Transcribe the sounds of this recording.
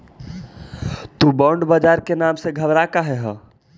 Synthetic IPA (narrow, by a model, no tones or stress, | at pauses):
t̪ubɔːɳɖbad͡ʒaːɾkenaːmseɡʱəbɾakaɦɛɦə̃ː